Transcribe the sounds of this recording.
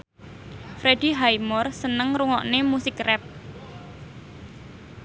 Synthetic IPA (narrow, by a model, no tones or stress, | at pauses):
fɾed̥i̤ɦajmɔrsənəŋɾuŋɔʔnemusɪkrɛp̚